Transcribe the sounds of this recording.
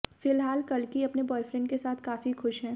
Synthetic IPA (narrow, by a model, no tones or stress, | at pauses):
fɪlɦaːlkɐlkiɐpnebɔːɪfɾɪ̃ɳɖkesaːt̪ʰkaːfixʊʃɦɛː